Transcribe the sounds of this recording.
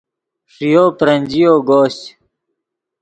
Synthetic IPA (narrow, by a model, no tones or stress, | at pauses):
ʂijoːpɾɐnʲd͡ʑijoːɡoːɕ